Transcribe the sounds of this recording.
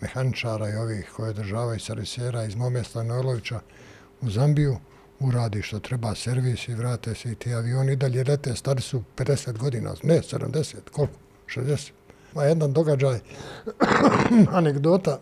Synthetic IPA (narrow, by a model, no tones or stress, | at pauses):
mḛhanit͡ʃaːɾaio̞ʋiːhkʰo̞jeod̪r̩ʒaːʋajusaɾiseːɾaizmomest̪anoelˠo̞ʋit͡ɕa | uzambiju | uɾaːd̪iːʃt̪o̞t̪ɾe̞baːseɾʋiːsiʋɾaːt̪eːseit̪iːaʋio̞ːnid̪aʎed̪et̪eːst̪ad̪isupe̞d̪e̞seːt̪ɡo̞d̪iːnʔa̰nesed̪a̰md̪eseːt̪kolko̥ | ʃezd̪ese̥ːt̪ | ajed̪and̪o̞ɡad͡ʒaːj | aneɡd̪oːt̪a